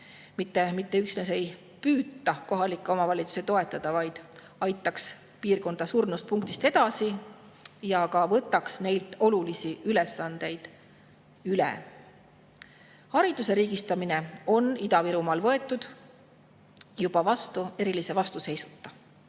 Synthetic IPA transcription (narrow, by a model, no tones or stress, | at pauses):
mit̪ːe̞mit̪ːe̞yksnese̞j | pyːt̪ːˑɑko̞ɦɑlikːˑeo̞mɑvɑlʲit̪su̥set̪o̞e̞t̪ːˑɑd̪̥ɑvɑjd̪̥ | ɑjt̪ːˑɑks | piːrko̞nd̪̥ɑsuːrnust̪̚puŋk̚t̪ist̪e̞d̪̥ɑsi | jɑkɑvɤt̪ːˑɑksne̞jlt̪ˑo̞lulisiylesːɑnd̪̥e̞jd̪̥ | ylḛ | hɑɾid̪̥use̞ɾiːɡ̥ist̪ɑmine̞o̞nid̪ɑviɾumɑlvɤ̞e̞t̪ːˑud̪̥ | jub̥ɑvɑst̪ue̞ɾilise̞vɑst̪use̞jsu̥t̪ːɑ